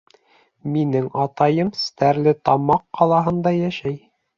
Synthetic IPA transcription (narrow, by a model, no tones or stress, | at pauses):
minɘŋɑt̪ɑjɤmst̪æɾlɘt̪ɑmɑqːɑlˠɑɦɤ̆nd̪ɑjæʃæj